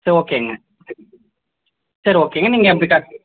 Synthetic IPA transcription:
sɐɾioːkːeɐŋɡɐ | sɐɾioːkeːɐŋɡɐniːŋɡɐɛp̬ːɐɽikaː

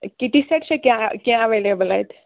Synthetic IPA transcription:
kiʈ̪iseʈsekjãkjãəʋelebəlajt̪ʰ

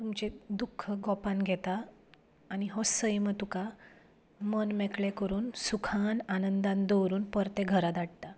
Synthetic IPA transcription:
t̪umt͡ɕed̪ukʰːəɡɔpãnɡʱɛt̪aː | ñiɦosəjmət̪uka | mənmɛkɭekəɾuːnsukʰananənd̪ãnd̪əʋɾuːnpəɾt̪eɡʱəɾad̪aɽ̚t̪a

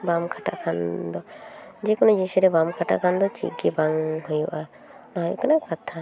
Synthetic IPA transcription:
bamkʰaʈa̰ʔkʰand̪ɔd͡ʒɛkɔnɔd͡ʒisuɾɛbamkʰaʈa̰ʔkʰand̪ɔt͡ʃḭɡɛbaŋhujuʔa | nɔɦjṵkanakat̪ʰa

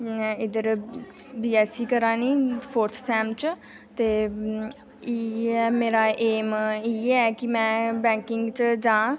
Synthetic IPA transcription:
ɪd̪əɾ | biːɛːsiːkəɾãːniːpʰoːɾt̪ʰsɛːmt͡ʃ | t̪eː | iɛːmeːɾaːʔeːmiːɛːkɪmɛ̃ːbɛ̃ːŋkɪŋɡt͡ʃd͡ʒãː

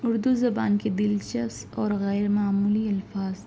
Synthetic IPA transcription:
ʊɾd̪uzɐba̰ːnked̪ɪlt͡ʃɐsɔːɾɣɛːɾmaːmuːliɐlfaːz

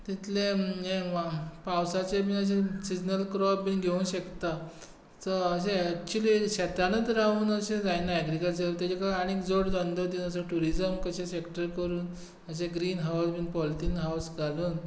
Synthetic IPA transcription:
t̪it̪ʰlẽeapawsat͡sebiəɕ̬ẽsid͡ʑnəlkɾɔpbinɡʱeũnɕəkt̪a | təəɕ̬ek̚t͡ɕuliɕɛt̪anət̪ɾaɦuːnəɕẽd͡zajnaɛɡɾikəlt͡set̪ad͡ʑekaaɽ̃ikd͡zoɽd͡zand̪ət̪inəs̬əʈuɾid͡zəmkəɕẽsekʈəɾkəɾuːn | əɕ̬eɡɾiːnɦawsbinpɔlt̪inɦawsɡʱaluːn

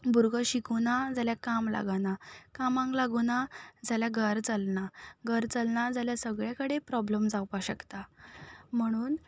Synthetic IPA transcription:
buɾɡəɕikunad͡zaljakamla̰ɡanakamãŋklaɡunad͡zaljaɡʱəɾt͡səlnaɡʱəɾt͡səlnad͡zaljasəɡɭjakəɽepɾɔbləmd͡zawpaɕəkt̪a | m̤əɽ̃uːn

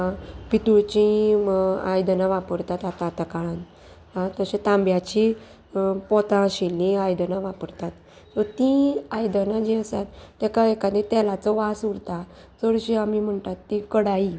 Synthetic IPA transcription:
ãpit̪uɭt͡ɕĩ | ajd̪ənãʋapəɾt̪at̪at̪at̪əkaɭan | ɦãt̪əɕẽt̪ãmbjat͡ɕi | pɔt̪ãɕilːĩajd̪ənaʋapəɾt̪at̪ | sɔt̪ĩajd̪ənad͡ʑeəsat̪t̪ɛkaekad̪ẽt̪ɛlat͡sɔʋasuɽt̪a | t͡səɽɕiamim̤əɳt̪at̪ːikəɽai

